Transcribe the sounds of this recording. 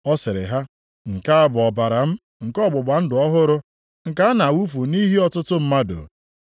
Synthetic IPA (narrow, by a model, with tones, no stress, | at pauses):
ɔ˦sɪ˨ɾɪ̰˨ɦa˦ | ŋ̩˨ka˦a˦˨bʊ˨ɔ˨ba˨ɾa˨m̩˦ | ŋ̩˨kɔ˦˨bʊ˨ɡ͡ba˨n̩˦dʊ˨ɔ˦ɦʊ˦ɾʊ˦ | ŋ̩˨ka˦a˦na˨wu˦fu˨ni˦ɦi˦ɔ˦tʊ˦tʊ˦m̩˦ma˦do̰˨